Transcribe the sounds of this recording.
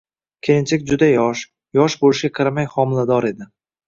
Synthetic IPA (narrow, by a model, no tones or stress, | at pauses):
kʲʰejɪnt͡ʃʰekʲd͡ʒʊd̪ajɒʃ | jɒʃbolɪʃɡʲaqʰɨɾamajχɒmɪlad̪ɒɾe̞d̪ɪ